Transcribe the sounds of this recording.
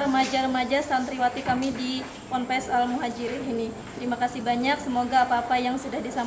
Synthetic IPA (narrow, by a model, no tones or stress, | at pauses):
ɾəmad͡ʒaɾəmad͡ʒasand̪ɾiwat̪ikamidi | pɔnpɛsalmuɦad͡ʒiɾinini | t̪ɾimakasɪhbaɲaksəmoɡaːpaːpajaŋsudahdisam